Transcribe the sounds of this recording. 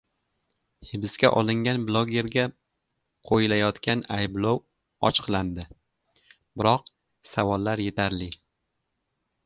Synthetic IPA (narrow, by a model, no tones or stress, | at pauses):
hɪbɪskʲa̰ʔɒlˠɪŋʲanblˠoɡʲe̞ɾɡʲa | qʰojɪlajɒt̪kʲʰanajblow | ɒt͡ʃqʰlˠand̪ɪ | bɪɾɒq̚ | savɒlˠːaɾje̞t̪ʰaɾlɪ